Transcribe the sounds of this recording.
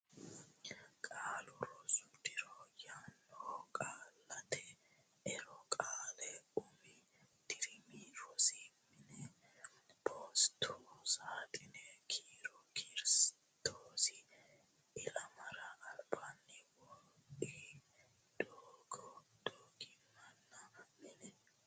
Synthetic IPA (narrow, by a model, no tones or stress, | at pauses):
kʼaːlʊɾɔsd̪ɪɾɔjanːɔkʼaːlːɐt̪ɛ | ɛɾɔkʼaːlɛʊmɪ | d̪̥ɪɾɪmiɾɔsɪmɪnɛ | b̥oːst̪ʰusaːt̪ʼɪnɛkʰiːɾɔkʰiːɾs | t̪ʰoːsɪ | ɪlɐmɐɾɐːlbanːɪwɔi | d̪̥oːɡɔd̪̥oːɡɪmɐnːɐmɪnɛ